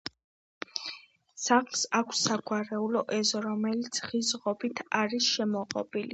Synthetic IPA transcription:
saχlsakʷʰsːaɡʼwaɾɛulɔʔɛzɔɾɔmɛlit̪sʰχizʁɔbit̪ʰaɾisʃɛmɔqʼɔ̰bili

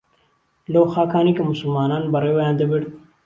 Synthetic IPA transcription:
lɐwxɑːkaːnikemʊsulmɑːnaːnbɐɾewɐjãnd̪ɐbiɽ

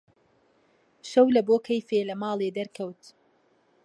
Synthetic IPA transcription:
ʃɐwlɐboːkʰɐjfeːlɐmɑːlˠeːd̪ɐɾkʰɐwt̪

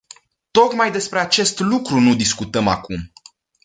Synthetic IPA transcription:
t̪o̞kmajd̪e̞spɾeat͡ʃe̞st̪lukɾunud̪iskut̪əma̰kum

